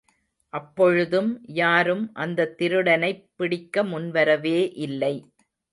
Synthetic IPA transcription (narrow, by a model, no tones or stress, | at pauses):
ʔɐpːɔɻɯðɯmjaːɾɯmʔɐnd̪ɐt̪ːɪɾɯɽɐnɐɪpːɪɽɪkːɐmʊnʋɐɾɐʋeːʔɪlːɐɪ